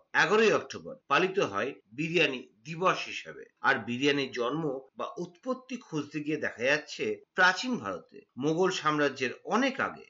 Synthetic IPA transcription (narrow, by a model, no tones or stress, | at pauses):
ɛɡoɾoiɔk̚ʈoba̰ɾpalit̪oɦɔebiɾijanid̪ibaʃɦiʃebḛaɾbiɾijanid͡ʑɔnmoba̰ʔut̪pot̪ːikʰod͡ʑd̪ʰeɡied̪ɛkʰad͡ʑatːɕʰepɾat͡ɕinbʱa̰ɾot̪ḛmoɡolʃamɾad͡ʑeɾɔneka̰ɡḛ